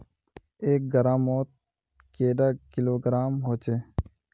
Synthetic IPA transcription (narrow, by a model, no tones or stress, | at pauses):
eːk̚ɡəɾãːmoːt̪̚ | keːɖaːkɪloːɡɾaːmɦoːt͡ʃeː